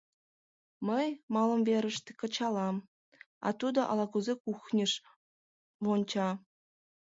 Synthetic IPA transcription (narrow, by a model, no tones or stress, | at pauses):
mə̆jmɑlˠɤ̆mvʲeɾʲɘ̆ʂt̪ʲĕ̥kɤ̆t͡ɕɑlˠɑm | ɑ̰t̪ud̪ɤ̆ʔɑ̰lˠɑkuzʲekuxnʲĭʂ | ʋont͡ɕɑ